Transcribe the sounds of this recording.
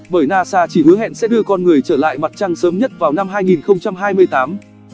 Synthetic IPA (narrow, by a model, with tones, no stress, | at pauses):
ɓəː˧˩jnaː˧saː˧t͡ɕi˧˩hɨ˨˦əɦɛ̰˧˨nsɛ̰˧˥ɗɨ˧əkɔ˧nŋɨ˨˩əjt͡ɕəː˧˩la̰ː˧˨jma˨˩t̚t͡ɕa˧ŋsəː˨˦mɲə˦˥t̚vaː˨˩wna˧mɦaː˧jŋi˨˩nxə˧wŋ͡mt͡ɕa˧mɦaː˧jmɨ˧əjt̪aː˨˦m